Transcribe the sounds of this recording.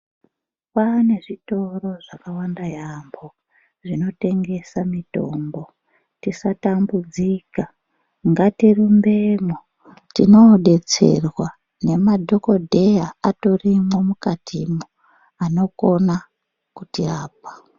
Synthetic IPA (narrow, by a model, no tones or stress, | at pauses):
pane̞ʐito̞ro̞ʐakawandajambo | ʐino̞te̞ŋɡe̞samito̞̰mbo̞ | tisatambud͡zika | ŋɡatirumbe̞mo | tino̞ɗe̞t͡se̞̰rwa | ne̞madʱo̞ko̞dʱe̞jaatorimomukatʰimo | ano̞ko̞na | kutiaːp̚ḁ